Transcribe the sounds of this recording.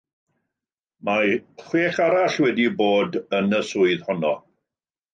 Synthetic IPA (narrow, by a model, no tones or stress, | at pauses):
maχweːχaɾaɬwɛdiboːdənəsʊɨðhɔnɔ